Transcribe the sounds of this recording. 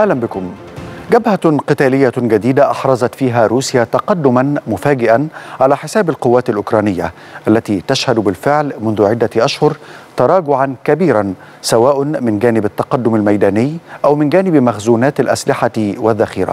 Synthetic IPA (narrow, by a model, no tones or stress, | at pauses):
ʔahlambɪkʊmɡabhaqɨt̪aːlɪjːaɡad̪iːd̪aʔɑħɾˤɑzˤɑt̪fiːɦaːɾuːsjaːt̪ɑqɑd̪ːʊmanmʊfaːɡɪʔanʕalaːħɪsaːbalqʊwːaːt̪alʔʊkɾˤɑːnɪjːa̰ | ʔalːat̪iːt̪aʃhad̪bɪlfɪʕlmʊnðʊʕɪd̪ːaʔaʃhʊɾt̪ɑɾˤɑːɡʊʕankabiːɾan | sawaːʔʊnmɪnɡæːnɪbat̪ːɑqɑd̪ːʊmalmajd̪æːnɪjːʔawmɪnɡæːnɪbmaxzuːnaːt̪alʔa̰slɪħawɪðːaxiːɾa̰